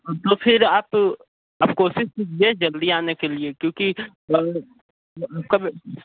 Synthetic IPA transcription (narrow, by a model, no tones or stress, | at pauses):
t̪ofɪɾaːp | ɐpkoːʃɪʃkid͡ʒied͡ʒɐld̪iaːnekeliekjõːki | aːp̚kab